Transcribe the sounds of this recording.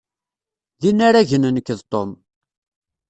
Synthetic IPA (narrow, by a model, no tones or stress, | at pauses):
ðinːaɾæʝənənəkːəðt̪ˤon